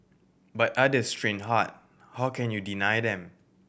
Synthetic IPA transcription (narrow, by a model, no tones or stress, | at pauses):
batadestɹĩnɦat̚ | hawkʰɛ̃njudinajdɛ̃m